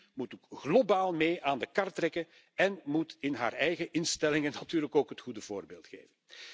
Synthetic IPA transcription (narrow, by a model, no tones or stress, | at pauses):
mutkɣlobaːlˠmeːʔaːndəkɑrtrɛkə | ɛnmutɪnɦa̰ːrɛjɣəʔɪnstɛlɪŋənːatyːrləkoːkɦətxudəv̥oːrbeːlˠtxḛːvən